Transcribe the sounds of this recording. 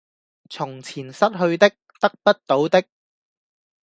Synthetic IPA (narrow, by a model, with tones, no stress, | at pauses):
t͡sʰʊ˨˩ŋt͡sʰiː˨˩nsɐ˥t̚ɦɵ˧ɥt̪ɪ˥k̚t̪ɐ˥k̚pɐ˥t̚t̪o˨˥wt̪ɪ˥k̚